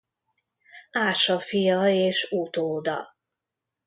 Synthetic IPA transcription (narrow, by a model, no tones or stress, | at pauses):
aːʃɒfijɒeːʃut̪oːd̪ɒ̰